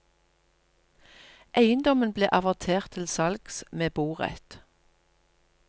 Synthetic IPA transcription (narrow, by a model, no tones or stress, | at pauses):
ʔæɪənd̪ɔmənblḛːʔɑʋɑʁt̪ʰeːʁt̪ʰːɪlsɑlɡ̥smeːbuːʁɛ̰t̪